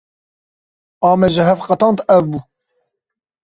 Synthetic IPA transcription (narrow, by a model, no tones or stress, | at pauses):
ɑːmɛʒɨɦɛfqɑt̪ɑːnt̪ɛvbuː